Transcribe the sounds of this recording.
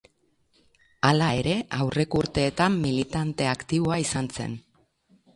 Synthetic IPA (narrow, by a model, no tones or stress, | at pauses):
alae̞ɾe̞ʔawre̞kouɾt̪e̞ːt̪amːilit̪ant̪e̞akt̪iβ̞o̞aisanse̞̰n